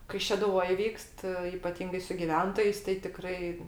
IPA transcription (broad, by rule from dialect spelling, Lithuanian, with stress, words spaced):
kɐɪ ʃʲɛdʊˈʋoːj ˈʋʲiːkst ɪpɐˈtʲiːŋɡɐɪ sʊ ɡʲɪˈʋʲɛntoːjɛɪs tɐɪ tʲɪˈkrɐɪ